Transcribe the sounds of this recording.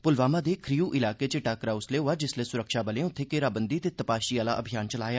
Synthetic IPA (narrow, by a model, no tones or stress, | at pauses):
pʊlʋaːmaːd̪eːkʰɾijuːʔɪlaːkeːt͡ʃəʈaːkɾaːʊsleːɦʊaːd͡ʒɪsleːsʊɾəkʃaːbəlẽːʊt̪ʰːeːkeːɾaːbənd̪iːət̪eːt̪əpaːʃiːaːla̰ːʔəbʱijaːnt͡ʃəlaːjaː